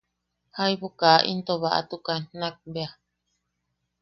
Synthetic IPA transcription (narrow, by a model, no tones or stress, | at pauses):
hajβokaʔḭnt̪oβaʔa̰t̪ukanak̚bea